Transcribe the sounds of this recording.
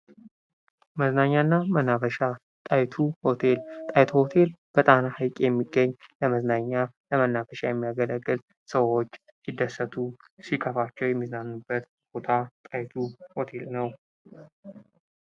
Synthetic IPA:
məznaɲːanːamənafəʃa | t̪ʼajt̪ʰuhot̪ʰe̞lt̪ʼajt̪ʰuho̞t̪ʰe̞lb̥ət̪ʼanahajkʼjɛmːiɡːəɲːləməznaɲːaləmənːafəʃajɛmːijaɡələɡːɨl | səwot͡ʃː | sid̪ːəsət̪ʰu | sikʰʼəfat͡ʃːɛwjɛmːiznanːubːət̪ | b̥ot̪ʰat̪ʼajt̪ʰuho̞t̪ʰe̞lnəw

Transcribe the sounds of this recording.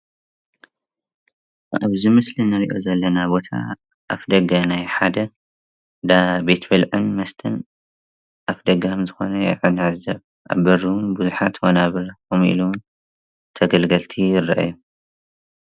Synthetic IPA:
a̰βzimɨslinɨɾiʔo̞zɐlːɐnabo̞t̪ʰa̰ | ʔa̰fd̪ɐɡɐnajħad̪ɐ | d̪abe̞t̪ʰbɨlʕɨnmɐst̪ʰɨn | ʔafd̪ɐɡɐkɐmzɨxo̞nɐjɛ̰jʕɨnɨʕɨzɐβ | ʔa̰βbɨɾuwnbuzuħat̪wonaβɨɾomʔḭluwn | t̪ʰɐɡɐlɡɐlt̪ʰijɪrːaʔju

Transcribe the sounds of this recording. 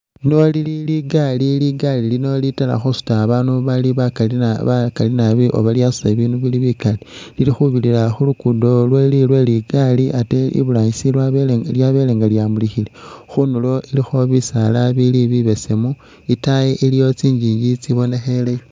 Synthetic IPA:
nolililiɡaliliɡalilino̞litala̰xusu̥taːβanuβaliββakalinaβiʔo̞̰βaljasu̥taβiːnuβiliβikalililixuβililaxulukudo̞lwelilwe̞liɡaliʔateḭβulaisilwaljaβe̞leŋɡaljamulixilexunulo̞ilixo̞βisalaβiliβiβe̞se̞mu | itajeʔilijo̞t͡siːɲd͡ʒijit͡siβo̞ne̞xe̞lejo

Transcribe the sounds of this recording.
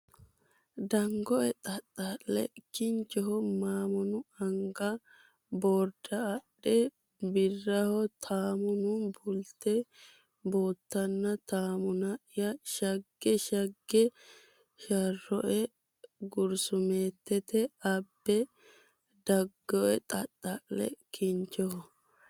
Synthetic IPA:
d̪ɐŋɡɔʔɛt̪ʼɐt̪ʼːɐllɛ̰kːɪnt͡ʃːɛɦɔmaːmʊnʊɐŋɡɐ | boɾd̪ɐːɗːɛ | bɪrːɐhɔt̪ʰaːmʊnʊbʊlt̪ːɛ | boːt̪ːɐnːɐt̪aːmʊnɐɪjɐʃɐɡːɛʃɐɡːɛ | ʃɐrːɔʔɛ | ɡʊɾsʊmeːt̪ːɛt̪ɛɐbːɛ | d̪ɐɡːɔʔɛt̪ʼɐtʼːɐʔlɛ̰kɪɲt͡ʃːɔhɔ

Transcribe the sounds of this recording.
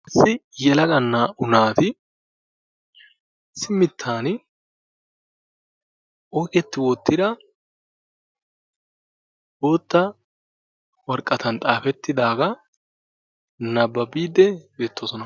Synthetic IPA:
ʔɪsːɪjɛlɐɡɐnːaʔʊnaːt̪ɪ | sɪmːɪt̪ʰːaːn | ʔɔkɛt̪ːɪwot̪ːɪd̪ɐ | boːt̪ːɐ | wɐɾkʼːɐt̪ɐnt̪ʼaːfɛt̪ːɪd̪aːɡɐ | nɐbːɐbiːd̪ːɛbe̞ːt̪ʰːoːsɔnɐ

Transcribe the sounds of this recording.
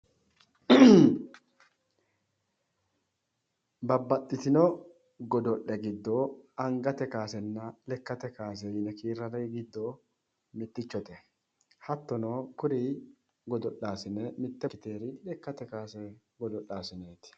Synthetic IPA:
bɐbːɐt̪ʼːɪt̪ɪnɔ | ɡɔd̪ɔʔːɛɡɪd̪ːoɐŋɡɐt̪ɛkaːsɛnːɐlɛkːɐt̪ɛkaːs̬ɛjɪnɛkiːɾːɐɾɐjɡɪd̪ːo | mɪt̪ːɪt͡ʃːɔt̪ɛ | hɐt̪ːɔnoːkʊɾi | ɡɔd̪ɔʔaːsɪnɛmɪt̪ːɛkːɪt̪eːɾɪlɛkːɐt̪ɛkaːsɛ | ɡɔd̪ɔʔaːsɪneːt̪ɪ̥

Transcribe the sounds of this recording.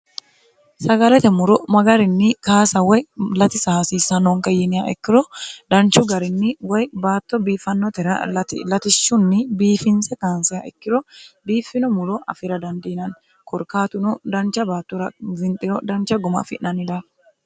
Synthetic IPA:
sɐɡɐlɛt̪ɛmʊɾʊmɐɡɐɾɪnːɪkaːsɐwɛjlɐt̪ɪsaːsisɐnɔŋkɐjːɪnɪjaʔɛkːɪɾɔd̪̥ɐnt͡ʃʊɡɐɾɪnːɪwɛjbaːt̪ːɔbiːfɐnːɔt̪ɛɾɐ̰lɐt̪ɪ̰lɐt̪ɪʃːʊnːɪbiːfɪnsɛkaːnsɪɐɛkːɪɾɔbiːfɪnɔmʊɾɔʔɐ̰fɪɾɐd̪ɐnd̪ɪnɐn | kɔɾkaːt̪ʊnɔd̪ɐnt͡ʃɐbaːt̪ːɔɾɐvɪnt̪ʼɪɾɔd̪ɐnt͡ʃɐɡʊmɐ̰fɪʔnːɐnɪd̪ɐ

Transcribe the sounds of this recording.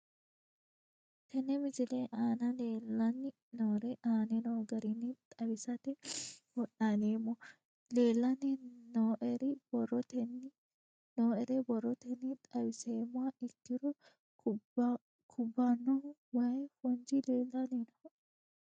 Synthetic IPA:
t̪ʰɛnːɛmɪzɪlɛʔaːnɐleːlːɐnːɪ | noːɾɛʔaːnɛnoɡɐɾɪnːɪt̪ʼɐwɪsɐt̪ɛwɔɗaneːmːɔ | le̞ːlːɐnɛnoːʔɛɾɪb̥ɔrːɔt̪ɛnːɪ | noːɛɾɛbɔrːɔt̪ɛnːɪt̪ʼɐwɪseːmːʊaʔɪkːɪɾɔ | kʰʊbːanɔwɐjfʊnd͡ʒɪleːlːɐnenɐ

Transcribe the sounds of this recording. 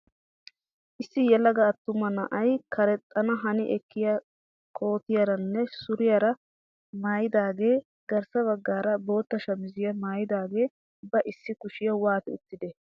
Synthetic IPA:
ʔɪsːɪjɛlːɐɡɐːt̪ːʊmɐnɐʔɐjkʰɐɾɛt̪ʼːɐnɐɦɐnɪʔɛkːɪjɐ | kʰo̞ːt̪ɪjɐɾɐnːɛsʊɾɪjɐɾɐ | maːjɪd̪aːɡe̞ː | ɡ̥ɐɾsɐβɐɡːaːɾɐbo̞ːt̪ːɐʃɐmɪzɪjɐmaːjɪd̪aːɡe̞ː | bɐʔɪsːɪkʊʃɪjɐwaːt̪ɪʊt̪ːɪd̪ɛ

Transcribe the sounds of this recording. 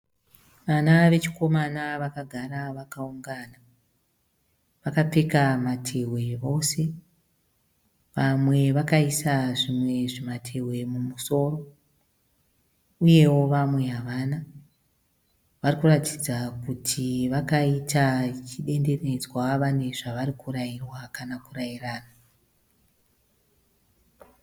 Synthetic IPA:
ʋanaʋe̞t͡ʃiko̞manaʋakaɡʱaɾaʋakauŋɡaːna | ʋakap͡fekamatʰe̞we̞ʋo̞se̞ | ʋamwe̞ʋakaisaʐimwe̞ʐimatʰe̞we̞mumuso̞ro̞ | uje̞wo̞ʋamwe̞ɦaʋana | ʋarikuratid͡zakutʰiʋakaitat͡ʃiɗe̞nde̞ne̞d͡zwaʋane̞ʐaʋaɾikuɾajirwakanakurajiraːna

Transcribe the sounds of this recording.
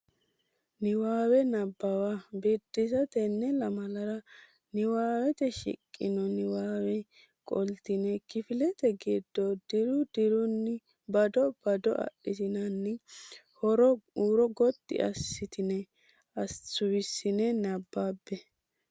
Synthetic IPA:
nɪwaːwɛnɐbːɐwabiːd̪ːɪsɐt̪ɛnːɛlɐmɐlɐɾɐ | nɪwaːwɛt̪ɛʃɪ̰kʼːɪ̰nɔnɪwaːwɛ | kʼɔ̰lt̪ɪnɛkɪfɪlɛt̪ɛɡid̪ːɔd̪̥ɪɾʊd̪ɪɾʊnːɪ | bɐd̪ɔb̥ɐd̪ɔ̰ʔɐ̰ʔɪt̪ɪnɐnːɪhɔɾɔuːɾɔɡɔt̪ʼːɪ̰ʔɐ̰sːɪt̪ɪnɛ | ɐt͡sːʊwɪsːɪnɛnɐbːaːbːɛ

